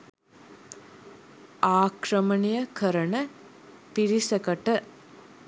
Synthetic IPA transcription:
aːkrəmənijəkʰəɾənə | piɾisəkəʈə

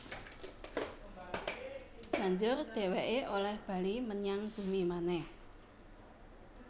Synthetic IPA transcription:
b̥a̤ɲd͡ʒʊrd̪̥e̤weʔeʔolɛhb̥a̤liməɲaŋb̥ṳmimanɛh

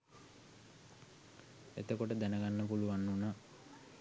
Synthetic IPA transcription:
ḛt̪əkoʈəd̪ænəɡanːəpuluʋanːuna

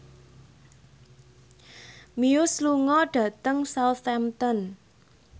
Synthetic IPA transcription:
miʊsluŋɔɖ̥ä̤t̪əŋsawt̪ɛmt̪ɔn

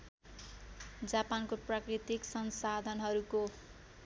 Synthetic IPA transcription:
d͡zapankoprakrit̪iksʌnsad̪ʱʌnɦʌɾuko

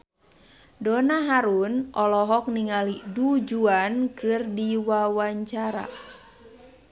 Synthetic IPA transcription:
dɔnaɦaɾunʔɔlɔɦɔk̚niŋalidud͡ʒuankɨrdiwawaɲt͡ʃaɾa̰

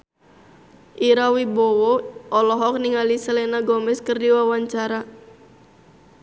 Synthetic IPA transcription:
ʔiɾawibɔwɔɔlɔɦɔk̚niŋalisəlɛnaɡɔmɛskərdiwawaɲt͡ʃaɾa

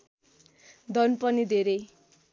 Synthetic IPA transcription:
d̪ʱʌnpʌnid̪ʱeɾʌj

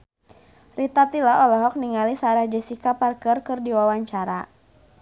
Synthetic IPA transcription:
rit̪at̪ilaʔɔlɔɦɔk̚niŋalisaɾahd͡ʒɛsikaparkərkɨrdiwawaɲt͡ʃaɾa̰

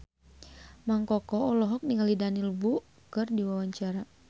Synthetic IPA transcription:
maŋkɔkɔɔlɔɦɔk̚niŋalidaniləbu | kɨrdiwawaɲt͡ʃaɾa

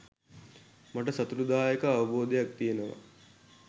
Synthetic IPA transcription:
maʈ̬əsat̪uɾud̪aːjəkəaʋɐboːd̪ejak̚t̪ijenəʋa̰

